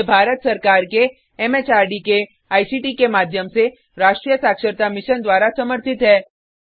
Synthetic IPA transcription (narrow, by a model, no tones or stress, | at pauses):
bʱaːɾət̪sɐɾkaːɾke | ɛmeːt͡ʃaːɾɖike | aːisiʈikemaːd̪ʱjəmse | ɾaːʃʈɾijəsaːkʃəɾt̪amɪʃənd̪waːɾasɐməɾt̪ʰɪt̪ɦɛː